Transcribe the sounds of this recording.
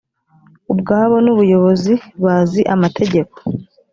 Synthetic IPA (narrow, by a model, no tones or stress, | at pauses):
ubɡaːβo̞nuβujo̞βo̞ziβaziʔamatʰe̞ɟe̞ko̥